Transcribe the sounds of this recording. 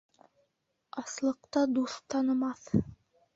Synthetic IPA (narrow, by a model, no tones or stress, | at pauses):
ɑslˠɤ̆qt̪ɑd̪ust̪ɑnɤ̆mɑθ